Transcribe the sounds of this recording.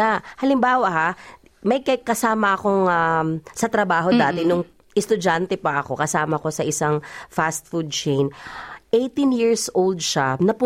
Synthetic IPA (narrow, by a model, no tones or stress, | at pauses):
ahɐlɪmbaːwɐɦa | mɐjkɐkɐsaːmɐʔɐko̞ŋasɐt̪ɾɐbaːɦo̞d̪aːt̪ɛnʊŋ | ʔɪst̪ʊd͡ʒant̪ɛpɐʔɐko̞kɐsaːmɐko̞sɐʔɪsaŋfast̪̚fud̪̚t͡ʃɛjnʔejt̪injiɹsʔowld̪̚ʃanɐpʊ